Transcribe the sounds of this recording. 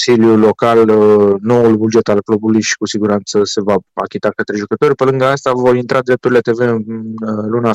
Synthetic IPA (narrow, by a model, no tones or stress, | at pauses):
siljulo̞kalno̞ulbud͡ʒe̞t̪alklobulujʃi̥kusiɡuɾant̪səse̞vaa̰kʲit̪akət̪ɾe̞ʒukət̪o̞ɾʲpəlɨŋɡəast̪avo̞ɾint̪ɾʔad̪ɾe̞p̚t̪uɾile̞t̪e̞ve̞ɨ | luna